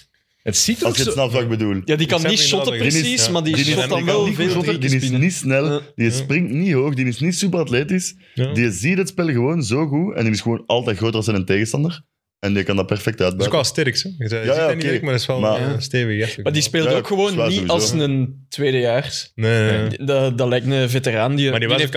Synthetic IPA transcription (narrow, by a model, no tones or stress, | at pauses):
ətsiɑlˠskəsnɛlˠvak̚bədulˠjaːdikɑnːiʃɔtəpɾdnɪsismadidinɪtinːiʃɔtədinɪsnisnɛldiəsprɪŋtniɦoːxdinɪsnisypərɑtleːtɪs | dijəzidətspɪlˠɣəʋoːnzoːɣuɛ̰ndɪnɪsxəʋoːnʔɑlˠtɛːtxroːtɑlˠsɛnənteːɣənstɑndər | ɛnjəkɑndɑtpɛrfɛk̚tœːd̚bœsːklˠstɛɾksɛzɛjaːjaːonkekmaɪsɛlˠmasteːvəɛmadispeːlˠoːkxəʋoːnaːiɑlˠsnəntweːdəjaːrneddɑlɛjk̚tnəveterandijəmadi